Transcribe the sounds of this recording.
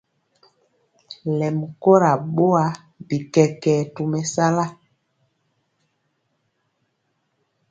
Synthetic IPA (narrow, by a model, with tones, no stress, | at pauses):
lɛ˨mu˨ko˦ɾa˨ɓo˦a˨˦ | bi˨kɛ˨kɛː˨tu˨mɛ˨sa˦la˦